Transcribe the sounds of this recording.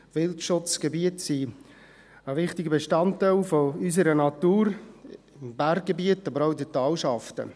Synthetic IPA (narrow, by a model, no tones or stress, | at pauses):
ʋɪltʃʊt͡sɡ̥ebiətsi | əʋɪχtɪɡəbeʃtɑntːaɪlfoys̬əɾənɑt̪uːɾ | ɪmbærɡ̚ɡ̥ebiətɑbəɾaʊdɛtɑːlʃɑftə̰